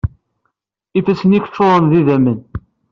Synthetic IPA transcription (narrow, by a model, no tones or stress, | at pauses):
ifæsənikə̥t͡ʃːoɾˤənðiðæmən